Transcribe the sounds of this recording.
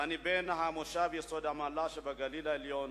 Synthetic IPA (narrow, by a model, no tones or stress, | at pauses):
anibɛnaɦamɔʃabiɛsɔdamalaʃɛbaɡalilailiɔn